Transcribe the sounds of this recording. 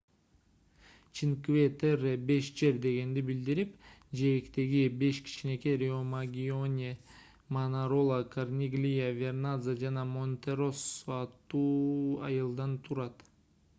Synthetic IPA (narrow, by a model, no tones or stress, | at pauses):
t͡ʃʰiŋkvʲet̪erbe̞ʃd͡ʒe̞ɾd̪e̞ɡe̞nd̪ibild̪iɾipd͡ʒeːkt̪e̞ɡibe̞ʃkʰi̥t͡ʃine̞keɾʲeomaɡʲio̞nʲe | manaɾo̞lˠakʰarnʲiɡlʲijavʲernazad͡ʒɑnɑmo̞nʲt̪ʲe̞ɾo̞soɑt̪ːuːɑ̰jɯlˠd̪ɑnt̪ʰuɾɑt̪